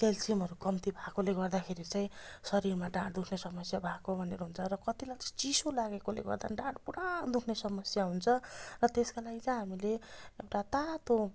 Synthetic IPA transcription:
kelsimɦʌɾukʌmt̪ibʱakoleɡʌrd̪akʰeɾit͡sãĩsʌɾirmaɖãʈ̚d̪ukʰnesʌmʌsjabʱakobʱʌneɾoɦunt͡sʰʌɾʌkʌt̪ilat͡sʌt͡sisolaɡekolḛɡʌ̰rd̪a̰nɖãʈpuɽaːnd̪ukʰnesʌmʌsjaɦunt͡sʰʌrʌt̪eskalaɡit͡sʌ̃ɦamileewʈat̪at̪o

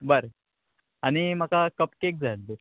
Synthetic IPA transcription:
bəɾ | añimakakəpkek̚d͡zʱald̪e

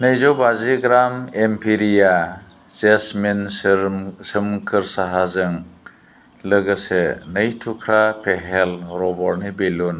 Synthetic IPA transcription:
nɯjzɔbaziɡɾamempʰiɾija | zesmen | sɯmkʰɯɾsaɦazɯŋ | lɯɡɯsenɯjtʰukʰɾapʰeɦelɾɔbɔɾnibelun

